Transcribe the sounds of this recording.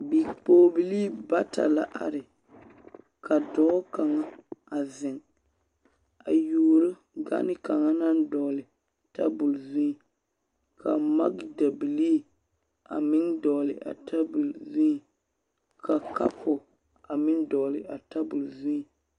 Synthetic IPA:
bi˨k͡poː˦bi˨liː˦ba˦tʰa̰˨la˨ʔa̰˨ɾɪ˨ | kʰa˨dɔ˦ka˨ŋa˦a˨zɪ˨ŋ | a˨juː˨ɾʊ˦ | ɡa̰˦nɪ˦ka˨ŋa˦na˦n˦dɔ˨lɪ˨ | ta˦bʊ˨lzi˦i˨ | kʰa˨ma̰˦ɡda˨bi˨liː˦ | a̰˨mɪ˦ndɔ˨lɪ˨ʔa̰˨tʰa˦bu˨lzi˦i˨ | kʰa˨ka̰˦pʰʊ˨ | a˨mɪ˦ndɔ˨lɪ˨ʔa˨ta˦bʊ˨lzu˦i˨

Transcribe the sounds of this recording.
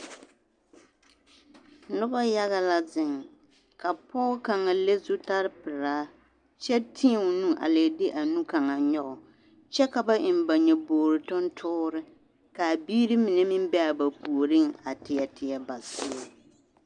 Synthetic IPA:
nʊ˦ba˦ja˦ɣa˦la˦zɪ˦˨ŋ | ka˨pɔː˦ka˨ŋa˨le˦zʊ˦ta˦ɾɪ˦pɪ˨ɾaː˦ | t͡ʃɛ˦tʰɪ˦˨ŋ˨nũ˦ʔa̰˨le˨dɪ˦ʔa˨nu˦ka˨ŋa˨ɲɔ˦ʔɔ˨ | t͡ʃɛ˦ka˨ba˦ʔɪ˨m˨ba˨ɲɛ˨boː˨ɾɨ˨tʊ˦n˦tʰʊː˦ɾɨ˦ | ka˨biː˦ɾɪ˦mɪ˨nɛ˦mɪ˦m˦bɛ˦a˨ba˨pu˨ɾi˦ŋa˨tɪ˨ɛ˨tɪ˨˦ɛ˦ba˨sɪ˦a˨

